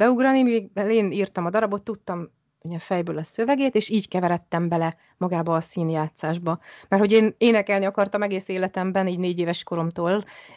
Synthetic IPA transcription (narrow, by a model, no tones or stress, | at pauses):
bɛuɡrɒnimiɡbɛleːniːrt̪ɒmɒd̪ɒɾɒbo̞t̪ːut̪ːɒm | oɲɒfɛjbøːlɒsø̞vɛɡeːt̪eːʃiːckɛvɛɾɛt̪ːɛmbɛlɛ | mɒɡaːbɒːsiːnjaːt̪saːʒbɒmɛrho̞ɟeːneːnɛkɛlniɒkɒrt̪ɒmɛɡeːseːlɛt̪ɛmbɛniːɟneːɟeːvɛʃko̞ɾo̞mt̪oːl